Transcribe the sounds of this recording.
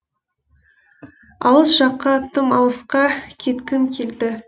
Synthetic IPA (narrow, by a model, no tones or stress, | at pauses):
ɑ̰lˠəsʒɑqːɑt̪ʰəmɑlˠəsqɑkʲʰe̞t̪kʲɪmkʲʰeld̪ɪ